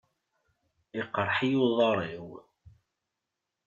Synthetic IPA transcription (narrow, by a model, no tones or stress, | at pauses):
iqːɾˤħijuðˤɑɾˤiw